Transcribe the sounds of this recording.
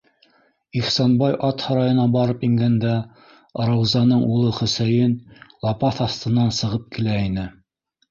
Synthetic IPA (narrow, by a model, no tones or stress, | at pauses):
iχsɑnbɑjʔɑt̪hɑɾɑjɤ̆nɑbɑɾɤpiŋɡænd̪æ | ɾɑwzɑnɤɴulˠɤχɵ̆sæjɘnlˠɑpɑθɑst̪ɤ̆nɑnsɤ̆ʁɤp̚kilæinɘ